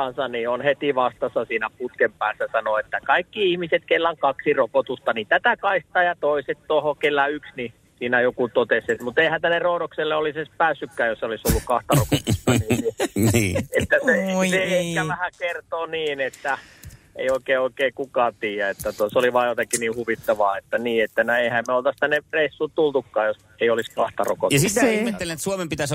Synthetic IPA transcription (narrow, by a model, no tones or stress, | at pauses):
ɑnsɑnionhet̪iʋɑst̪ɑsːɑsiːnæput̪kempæːsːæsɑnoet̪ːækɑikːiihmiset̪kelːæŋkɑksirokot̪ust̪ɑnit̪æt̪ækɑist̪ˑɑːjɑt̪oiset̪t̪ohokelːæyksni | siːnæjokut̪ot̪eset̪mut̪eihænt̪ænːerrouɾokselːeolisespæːsːykːæːjosolisolːukkɑht̪ɑrokot̪st̪ɑniːniiet̪ːæseseekæʋæhækert̪oːniːnet̪ːæ | ḛioikeːoikeːkukɑːt̪iːjæet̪ːæt̪usoliʋɑːjot̪ɑkiniːhuʋit̪ːɑʋɑːet̪ːæniːet̪ːænoeihæmmeolt̪ɑst̪ænːereisːut̪ult̪ukːɑːjos | eioliskɑht̪ɑro̰ko̰tjɑsiihmet̪ːelinet̪suomempit̪æs